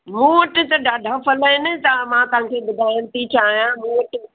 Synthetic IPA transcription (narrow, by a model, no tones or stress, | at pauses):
mũːʋɐʈɪ̆t̪ɐɖaːɖʱapɐlaːɪnɪt̪ɐmãt̪ɐɦãkʰebʊd̪ʱaːɪəɽ̃t̪ʰit͡ɕaːɦijãmũːʋɐʈɪ